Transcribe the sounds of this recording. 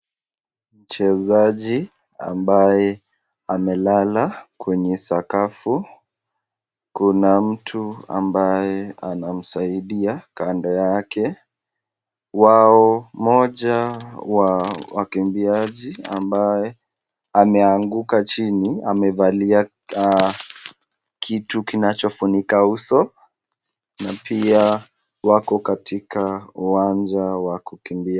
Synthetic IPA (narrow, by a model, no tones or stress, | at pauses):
m̩t͡ʃɛzaʄi | a̰mbajɛ | amɛlalakwɛɲɛsakafu | kunam̩tʰua̰mbajɛanam̩saiɗiakandɔjakɛ | waɔmɔʄawawakimbiaʄiambajɛ | amɛaŋɡukat͡ʃinia̰mɛvalia | kʰitukinat͡ʃɔfunikausɔ | napʰia | wakɔkatʰikauwand͡ʒawakukimbi